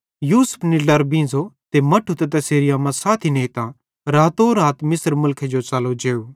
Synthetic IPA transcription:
juːsə̥pʰnilɐɾbĩːnd͡zot̪emɐʈʰut̪ɛt̪̬ɐseːɾɪjaːmãsaːt̪ʰineit̪ã | ɾaːt̪oːɾaːt̪mɪsəɾmʊlkʰed͡ʒot͡ʃaːlod͡ʒeːuː

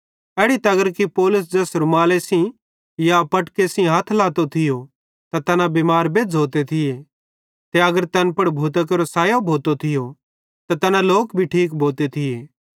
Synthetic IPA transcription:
ɛːɽit̪ɐɡəɾkipoːlʊs̬d͡ʒɛːsɾʊmaːlesĩ | japɐʈkesĩɦat̪ʰlaːt̪ot̪ʰɪjo | t̪at̪ɐnãbɪmaːɾbeːd͡zʱɦoːt̪et̪ʰɪje | t̪eɐɡəɾt̪ɐnpɐɽbʱoːt̪̬ək̬eɾosaːjobʱoːt̪ot̪ʰɪjo | t̪at̪ɐnãloːkbʱiʈʰiːk̬bʱoːt̪et̪ʰɪjeː

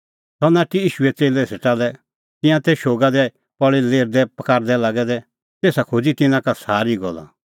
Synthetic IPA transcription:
tɔnaːʈiiːʃuɛt͡seːlɛseʈalɛ | t̪ɪ̃jãt̪eʃoːɡad̪ɛ | pɔɭileːɾd̪ɛpɐkaːɾd̪ɛlaːɡɛd̪ɛ | t̪eːsakʰod͡zit̪ɪnãkasaːɾiɡɔla̰

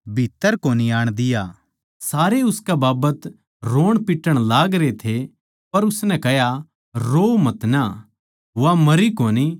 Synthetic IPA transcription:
bʱit̪ːəɾkoːniaːɽ̃d̪ɪjaː | saːɾeʊskebaːbət̪ | ɾoːɽ̃pɪʈːəɽ̃laːɡɾet̪ʰe | pɐɾʊsnɛ̃kɐɦja | ɾoːmɐt̪na | ʋamɐɾikoːni

